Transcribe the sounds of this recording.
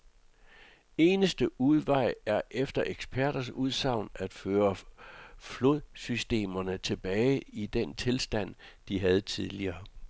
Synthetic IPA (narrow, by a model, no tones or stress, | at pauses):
e̝ːnəsd̥əʔuð̞ˠʋɑ̈ɪ̰æɐʔefd̥ɐʔeɡ̥sb̥ʰæɐ̰ɾ̥ɐsuð̞ˠsɑ̈ʊ̰næd̥føːɐ | flo̝ð̰ˠsysd̥e̝̰ːmɐnət͡sʰe̝b̥ɛːɪid̥ent͡sʰe̝lsd̥æn̰ | d̥iɦæð̞ˠt͡sʰið̞ˠliɐː